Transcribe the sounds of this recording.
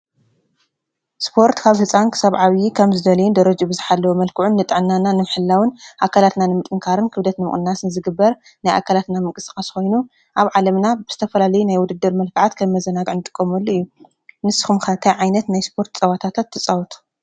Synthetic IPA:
spʰo̞ɾt̪kʰaβhɨt͡sʼankʰɨ̥saβʕaβjikʰɐmzɨd̪ɐlɐjund̪ɐɾɐd͡ʒubɨzɨħalːɐwmɐlkʰɨʕunːɨt̪ʼɨʕnːananɨmħɨlːawɨnʔakʰalat̪nanɨmɨt̪ʼɨŋkʰaɾɨnkʰɨβd̪ɐt̪nɨmɨ̰χʼnːasɨnzɨɡɨbːɐɾ | najʔa̰kʰalat̪namɨŋkʼɨsʼkʼasxo̞jnu | ʔaβʕalɐmnabɨz̥ɨt̪ʰɐfɐlalɐjunajwʊd̪ɨd̪ːɨɾmɐlkʰɨʕat̪kʰɐmmɐzɐnaɡʕɨnɨt̪ʼɨkʼːomɐlːoɨjːu | nɨsɨ̥xumxɐt̪ʰajʕajnɐt̪najspʰo̞ɾt̪t͡sʼɐwat̪ʰat̪ʰat̪ʰːɨt͡sʼawt̪ʰu̥

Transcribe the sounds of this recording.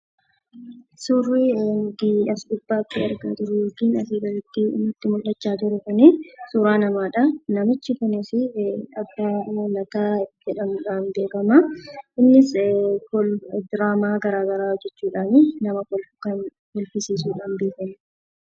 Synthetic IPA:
surːiʊɡiɐsɗɪbːaːt̪ːɪɐɾɡaːt̪ʊɾɛjoːkiːnɐfiːɡɐlɪt̪ːiːɪ̰nːʊt̪ːɪmʊlːɐt͡ʃːaːt̪ʊɾɛkʊnɪsuːɾaːnɐmaːᶑɐnɐmɪt͡ʃːɪkʊnɪsɪɐbːaɔlɐt̪aːd͡ʒɛᶑɐnᶑaːnbe̞ːkɐmɐʔɪnːɪskɔld̪ɪɾaːmaːɡɐɾaːɡɐɾaːɔd͡ʒːɛt͡ʃːuːᶑaːnɪnɐmɐɔlkɐn | hɔlfɪsiːsuːᶑaːnbeːkɐm

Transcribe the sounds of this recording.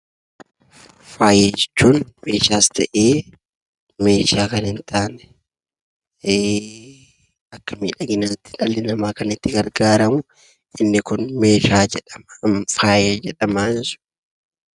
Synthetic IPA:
faːjed͡ʒɛt͡ʃːuːnme̞ːʃaːst̪ʰɐʔeː | me̞ːʃaːkɐnhɪnt̪aːnɛ̥ | eː | ɐkːɐmḭːᶑɐɡɪnɐt̪ːɪ̥ᶑɐlːɪnɐmaːkɐnɪt̪ːɪɡɐɾɡaːɾɐmʊ | ʔɪnːɪkʊnme̞ːʃaːd͡ʒɛᶑɐmfaːjeːd͡ʒɛᶑɐmaːsʊ̥

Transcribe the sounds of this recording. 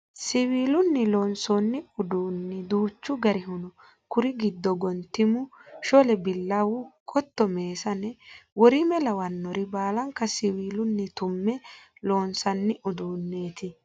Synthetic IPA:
sɪwiːlʊnːɪloːnsɔnːɪʊd̪uːnːɪd̪uːt͡ʃːʊɡɐɾɪɦʊnɔ | kʊɾɪɡɪd̪ːɔɡɔnt̪ːɪmʊʃɔlɛbɪlːɐwʊkʰʼɔt̪ːɔme̞ːsɐnɛwɔɾɪmɛlɐwɐnːɔɾɪbaːlɐŋkːɐsɪwiːlʊnːɪt̪ʊmːɛloːnsɐnːɪʔʊd̪uːnːe̞ːt̪ɪ

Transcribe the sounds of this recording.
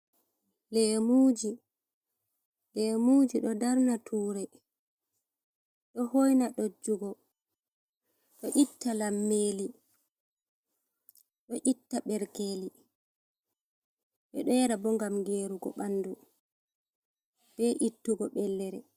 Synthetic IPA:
lɛːmuːd͡ʒi | lɛːmuːd͡ʒiɗɔdaɾnatʰuːɾɛ | ɗɔhojnaɗod͡ʒuɡɔ | ɗɔʔitːalamːeːli | ɗɔʔitːaɓɛɾkeli | ɓɛɗɔjɛɾabɔŋɡamɡeːɾuɡɔ̰ɓanːdu | b̥ɛʔitːuɡɔɓɛlːɛɾɛ

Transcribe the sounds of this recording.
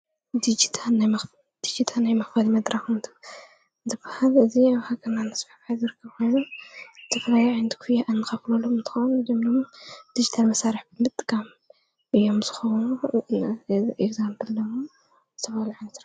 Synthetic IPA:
d̪id͡ʒit̪ʰanajmɐ | d̪̥id͡ʒit̪ʰanajmɐxfɐlimɐd̪ɾaxnt̪ʰɐ̥ | zɨbːahalɨziaβhakʰɐnːanɐsfaħbħazɨɾɨkʰːɐβxo̞jnut̪ʰɐflajʕind̪ʰi̥kʰujaʔɨnːɨxɐflolomɨnt̪ʰɨ̥xownzɨmnomd̪̥id͡ʒit̪ʰalmɐsaɾiħbɨmɨt̪ʼɡam | ʔɨjːo̞mz̥ɨxownu | ʔeɡzampɨllɐmo | zɨt̪ʰɐβaluʕansɾa

